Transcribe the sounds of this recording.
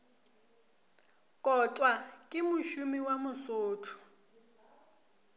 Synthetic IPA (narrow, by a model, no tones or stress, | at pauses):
kʼɔt͡sʼwakʼɪmʊʃumiwamʊsʊːtʰʊ̥